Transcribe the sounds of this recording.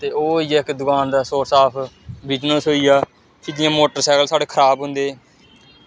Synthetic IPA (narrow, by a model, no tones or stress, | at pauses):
t̪eːoːiːɪkd̪ʊkaːnd̪aːsoːsaːpʰbiːt͡ʃnõːsoːiːaː | t͡ʃiːd͡ʒɪjãːmoːʈəɾsɛːkəlsaːɽeːkʰəɾaːbɦʊ̃nd̪eː